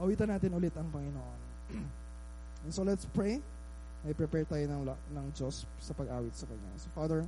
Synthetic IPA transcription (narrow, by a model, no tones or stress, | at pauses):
ʔɐwiːt̪ɐnːaːt̪ɪnʔʊlɪt̪ɐŋpɐŋɪnoʔon | ʔɛnsolɛt̪spɹej | mɐjpɾɛpɛɹt̪aːjonɐŋnɐŋd͡ʒosːɐpɐɡʔaːwɪt̪̚sɐkɐɲa̰sofaːd̪ɛɹ